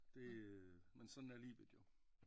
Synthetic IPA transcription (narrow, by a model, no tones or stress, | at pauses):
d̥e̝mensɒ̽nn̩æɐliːʋed̥jo̝